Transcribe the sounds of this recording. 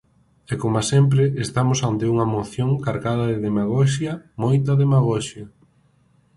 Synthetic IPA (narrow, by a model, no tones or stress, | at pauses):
ɛkomasɛmp̬ɾeest̪amosant̪euŋɐmoθjoŋkaɾɣað̞ɐðeðemaɣoʃ̬jɐmojt̪ɐðemaɣɔʃjɐ